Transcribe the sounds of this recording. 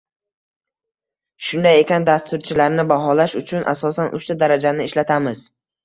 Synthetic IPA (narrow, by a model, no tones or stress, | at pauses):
ʃʊnd̪ajekʲand̪ast̪ʊɾt͡ʃʰɪlaɾnɪbaɦɒlaʃʊt͡ʃʰʊnʔa̰sɒsanʔʊ̰ʃt̪ad̪aɾad͡ʒanɪɪʃlat̪ʰamɪz̥